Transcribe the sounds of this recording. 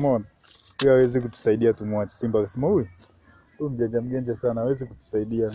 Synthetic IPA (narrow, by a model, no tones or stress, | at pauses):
mɔna | ujawɛzik̬utu̥saiɗiatumwat͡ʃɛ̥simbakasɛmahujɛ | tum̩ʄɛnd͡ʒam̩ʄɛnd͡ʒasanaːwɛzikutu̥saiɗia